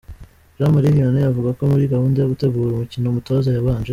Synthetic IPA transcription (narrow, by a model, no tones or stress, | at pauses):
ʒaːmaɾihijonejavuɡako̞muɾiɡahuːndajoɡute̞ɡuːɾumucinomuto̞zajaβaːnʒe